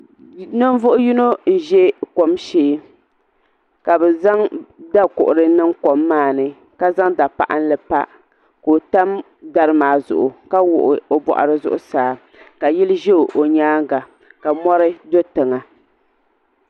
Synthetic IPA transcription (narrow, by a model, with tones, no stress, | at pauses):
nɨ˦n˦vʊ˦ʔʊ˦ji˦no˦n̩˨ʒɛ˦ko˨mʃeː˦ | ka˨bɛ˨za˦ŋda˦kʊ̰˨ʔʊ˨ɾɨ˦nɨ˦ŋko˨mːaː˦˨nɨ˦ | ka˦za˦ŋda˨pa̰˨ʔa̰˦n̩˦lɨ˨pa̰˦ | ko˨ta˦m | da˨ɾɨ˦maː˨zʊ̰˨ʔʊ˨ka˦wʊ̰˨ʔʊ˨o˨bɔ̰˨ʔa̰˨ɾɨ˦zʊ˦ʔʊ˦saː˨˦ | ka˨ji˦lʒe˦˨ʔo˨ɲaː˦ŋ˦ɡa˨ | ka˨mɔ˦ɾɨ˦do˦tɨ˨ŋa˨